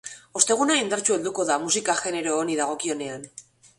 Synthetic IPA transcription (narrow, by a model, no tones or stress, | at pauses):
o̞st̪e̞ɣ̞unaind̪aɾt͡ʃue̞ld̪uko̞ðamusikaxe̞ne̞ɾo̞ːniðaɣ̞o̞kio̞ne̞an